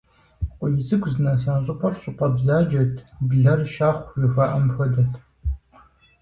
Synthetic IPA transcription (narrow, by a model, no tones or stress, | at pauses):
qʷɔjɪt͡sʼɨɡʷzɨnɐs̬ɐnɕʼɪpʰʷʼɐrɕʼɪqʷʼɐbzaːd͡ʒɐtʰbɮɐrʃaːχʷjɪxaʔɐmfɐdɐtʰ